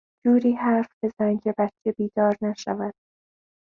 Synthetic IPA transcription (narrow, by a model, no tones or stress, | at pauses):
d͡ʒuːɾiːhæɾfbe̞zæŋɟebæt̪t͡ʃʰebiːd̪ɒːɾnæʃævæd̪̥